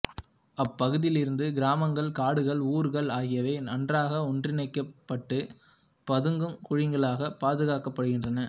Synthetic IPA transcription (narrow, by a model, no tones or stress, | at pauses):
ɐpːɐɣɯðɪlɪɾɯnd̪ɯɡɪɾaːmɐŋɡɐɭkaːɽɯɣɐɭuːɾɣɐɭaːɣɪjɐʋeːnɐndraːɣɐɔndrɪnɐɪkːɐpːɐʈːɯ | pɐðɯŋɡɯmkʊɻɪŋɡɐɭaːɣɐpaːðɯɣaːkɐpːɐɽɯɣɪndrɐnɐ